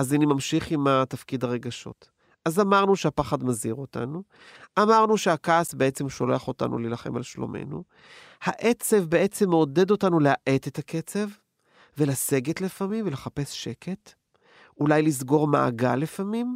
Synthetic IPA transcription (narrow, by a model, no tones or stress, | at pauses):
azanimamʃiχimat̪afkidhaʁe̞ɡaʃo̞̰t | azamaʁnuʃeapaχadmaziʁo̞ta̰nu | ʔamaʁnuʃeakaːsbeʔe̞t͡se̞mʃo̞leaχo̞ta̰nʔṵlilaχe̞ma̰lʃlo̰mʔḛnṵ | haʔe̞t͡se̞vbeʔe̞t͡se̞mːeode̞do̞tanulehaʔe̞tetakʰe̞t͡se̞v | ve̞lase̞ɡetlefamimvele̞χape̞sʃe̞ke̞t | ulajlizɡo̞ʁma̰a̰ɡalefamim